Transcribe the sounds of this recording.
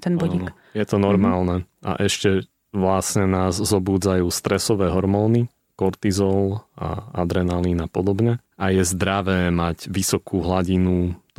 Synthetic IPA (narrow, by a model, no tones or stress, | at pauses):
t̪ɛnbɔinɔk | jɛt̪ɔnɔɾmaːlnɛʔa̰ʔɛʃcɛ | ʋlasɲɛnaːzzɔbuːd͡zajuːst̪ɾɛsɔʋɛːɦɔɾmɔːni | kɔɾt̪izɔla̰ad̪ɾɛnaliːnapɔd̪ɔbɲɛ | ʔajɛzd̪ɾaʋɛːmaɟʋisɔkʰuːɦlaɟinu